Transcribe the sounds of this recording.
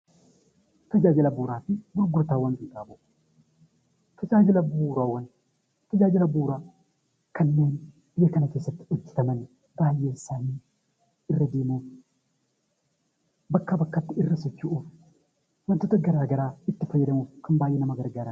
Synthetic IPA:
t̪ɐd͡ʒaːd͡ʒɪlɐbuːɾaːfɪbʊlɡʊt̪aːwɐnt̪ɪnt̪ʼaːbʊʔ | t̪ʰɐd͡ʒaːd͡ʒɪlɐbuːɾaːwːɐn | t̪ɐd͡ʒaːd͡ʒɪlɐbuːɾa | kʰɐnːe̞ːn | b̥ɪjːɐkɐnɐke̞ːsːɐt̪ːɪ̥ɔd͡ʒːɪ̥t̪ɐmɐn | baːjːe̞ːsaːniː | ɪrːɐd̪eːmuːf | bɐkːɐbɐkːɐt̪ːɪɪrːɐsɔt͡ʃːuʔuf | wɐnt̪ːot̪ɐɡɐɾaːɡɐɾaːɪt̪ːɪfɐjːɐd̪ɐmufkɐmbaːjːɛnɐmɐɡɐɾɡaːɾɐn

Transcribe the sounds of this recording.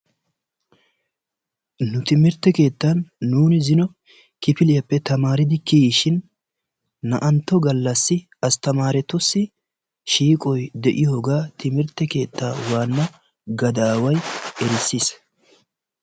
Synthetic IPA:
nʊt̪ɪmɪɾt̪ːɛke̞ːt̪ːɐnːuːnɪzɪnɔ | kɪpɪlɪjɐpːɛt̪ɐmaːɾɪd̪ɪkijʃɪnː | ɐʔɐnt̪ːɔɡɐlːɐsːɪ | ɐst̪ɐmaːɾɛt̪ʊsːɪ | ʃiːkʼɔjd̪ɛʔɪjɔɡaːt̪ɪmɪɾt̪ːɛke̞ːt̪ʰːaːwaːnːɐ | ɡɐd̪aːwɐjɛɾɪsːiːs

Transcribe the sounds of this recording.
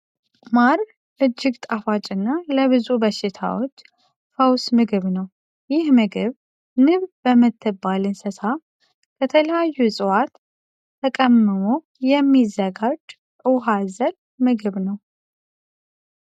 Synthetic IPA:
maɾ | ʔɨd͡ʒːɪɡt̪ʼafat͡ʃʼɨnːaləβɨzubəʃɪt̪ʰa̰wo̞t͡ʃː | fəwsmɨɡɨβnəw | jɪhmɨɡɨβ | nɨβbəmːɨt̪ʰːɨbːalɨnsɨsa | kʰət̪ʰələjajːusʼɨwat̪ːʰ | əkʼəmːɨmo | jɛmːizəɡad͡ʒ | ʔɨɦazəl | mɨɡɨβnəw

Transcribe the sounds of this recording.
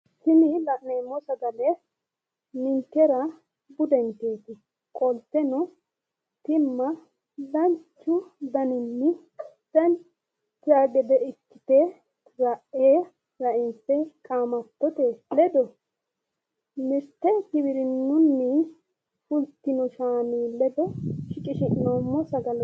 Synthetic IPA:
sɪnɪlɐʔneːmɔsɐɡɐlɛ | nɪnkɛɾɐ | bʊd̪ɛnt̪eːt̪ɪ | kʼɔlt̪ːɛnɔ | t̪ɪmːɐ | dɐnt͡ʃːʊd̪ɐnɪnːɪ | d̪̥ɐn | t̪ːɪaːɡɛd̪ɛɪkːɪt̪e | ɾɐʔeː | ɾɐʔɪntːɛkʼaːmɐt̪ːɔt̪eːlɛd̪ɔ | mɪɾt̪ːɛkɪβɪɾɪnːʊnːɛ | fʊlt̪ːɪnɔʃaːniːlɛd̪ɔʃɪkʼɪʃɪʔnomːɔsɐɡɐl

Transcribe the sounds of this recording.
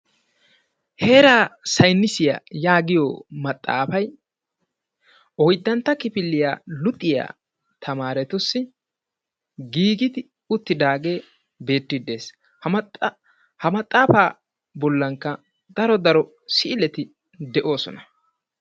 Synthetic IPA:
heːɾaːsɐjnːɪsɪja̰jaːɡɪjɔmɐt̪ʼːa̰ːfɐj | ɔjd̪ːɐnt̪ːɐkɪpɪlːɪja̰ːlʊt̪ʼːɪja̰ː | t̪ʰɐmaːɾɛt̪ʊsːɪ | ɡiːɡɪd̪ɪ | ʊt̪ːɪd̪aːɡe̞ː | be̞ːt̪ːɪd̪e̞ːs | h | hɐmɐt̪ʼːaːfaː | bɔlːɐŋkːɐ | d̪ɐɾɔd̪ɐɾɔ | sɪːlɛt̪ɪ | d̪ɛʔo̞ːsɔ̰nɐ

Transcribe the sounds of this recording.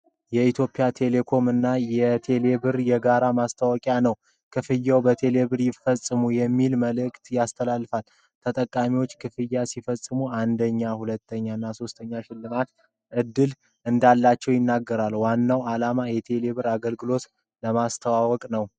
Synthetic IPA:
jɛit̪ʰjo̞pʼijat̪ʰe̞le̞kʰo̞mɨnːajɛt̪ʰe̞le̞βɨɾjɛɡaɾamast̪ʰawɔkʼjanəw | kʰɨfɨjːawbət̪ʰe̞le̞βɨɾjɪfəsʼːɨmujɛmːilməlɨkʼt̪jast̪ʰəlalːɨfal | t̪ʰət̪ʼəkʼːamiwot͡ʃːkʰɨfɨjːasifəsʼːɨmuand̪əɲːahulət̪ʰːəɲːanːaso̞st̪ʰəɲːaʃɪlːɨmat̪ | ʔɨd̪ːɨl | ʔɨnd̪alːat͡ʃːɛwjɪnːaɡːəɾalwanːawalamajɛt̪ʰe̞le̞βɨɾaɡəlɡɨlo̞t̪ | ləmast̪ʰəwawɔkʼnəw

